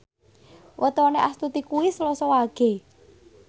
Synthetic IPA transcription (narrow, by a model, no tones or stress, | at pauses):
wʔət̪ɔneʔast̪ut̪ikuwislɔsɔwaɡ̥e̤